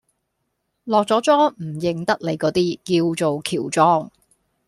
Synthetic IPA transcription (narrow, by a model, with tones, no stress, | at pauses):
lɔː˨k̚t͡sɔː˨˥t͡sɔː˥m̩˨˩jɪ˨ŋt̪ɐ˥k̚le˨˧jkɔː˨˥t̪iː˥kiː˧wt͡so˨wkʰiː˨˩wt͡sɔː˥ŋ